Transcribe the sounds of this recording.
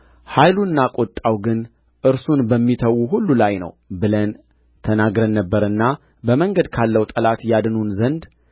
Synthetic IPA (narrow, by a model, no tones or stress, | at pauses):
hajluɨnːakʼot̪ʼːawɡɨn | ʔɨɾsunbəmːit̪ʰəwːuɦulːulajnə̰wbɨlən | t̪ʰənaɡɾənːəbːəɾɨnːa | bəməŋɡəd̪kʰalːəwt̪ʼəlat̪jad̪nunzənd̪